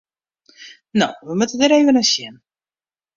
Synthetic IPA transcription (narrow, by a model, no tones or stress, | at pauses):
no̰wʋəmutədəɾeːvənəsjɪn